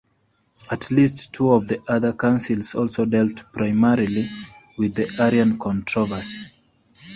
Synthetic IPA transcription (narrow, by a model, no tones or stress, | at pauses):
ətʰlistʰːuɔvðiʔʌðə˞kãʊ̃nsilˠzɔlˠsoʊdɛlˠtpʰɹaɪmɛɹili | wɪðiʔɛɹiə̃nkʰɔ̃ntʰɹɔvə˞si̥